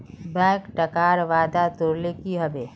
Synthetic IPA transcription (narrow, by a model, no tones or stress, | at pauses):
bɛ̃ːkʈɐkaːɾʋaːd̪at̪ʊɾlekiɦɐbeː